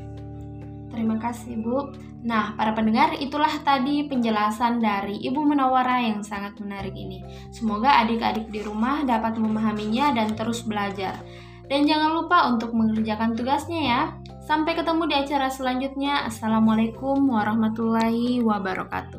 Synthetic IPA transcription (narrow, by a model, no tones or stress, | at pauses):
t̪əɾimakasɪhbʊ | nahpaɾapənəŋarit̪ulaht̪adipəɲd͡ʒəlasandaɾiʔibumənawaɾajaŋsaŋat̪̚mənaɾɪkḭni | səmoɡaːdɪka̰dɪk̚diɾumahdapat̪̚məmaɦamiɲadant̪əɾʊsbəlad͡ʒar | dand͡ʒaŋanlupaunt̪ʊk̚məŋərd͡ʒakant̪uɡasɲaja | sampajkət̪əmudiat͡ʃaɾasəlaɲd͡ʒut̪̚ɲaʔasalamalakʊmwaɾahmat̪ulaɦiwabaɾɔ̰ka̰t̪u